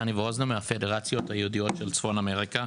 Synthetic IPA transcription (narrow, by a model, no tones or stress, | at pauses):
aniveoznamehafe̞deʁat͡sjo̞thajeudio̞tʃelt͡sfo̞name̞ʁika